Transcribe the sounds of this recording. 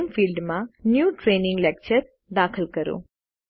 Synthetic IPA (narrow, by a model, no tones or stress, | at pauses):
nfilɖmãnjuʈɾenɪ̃ŋɡlɛk̚t͡ʃəɾ | d̪akʰəlkəɾo̰